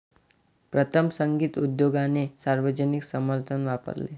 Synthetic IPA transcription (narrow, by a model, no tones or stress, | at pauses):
pɾət̪ʰəmsəŋɡiːt̪ud̪joɡanesaɾʋəd͡ʑəniksəməɾt̪ʰənʋapə̰ɾlḛ